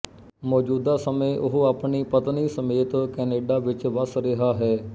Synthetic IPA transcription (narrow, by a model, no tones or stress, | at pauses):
mɔːd͡ʒuːd̪aːsəmẽːʔʊɦaːpɳiːpət̪niːsəmeːt̪kɛːneːɖaːʋɪt͡ʃʋəsɾɪɦaːɦɛː